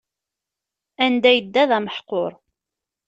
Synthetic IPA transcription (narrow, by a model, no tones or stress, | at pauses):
ænd̪æjəd̪ːæðæməħqːoɾˤ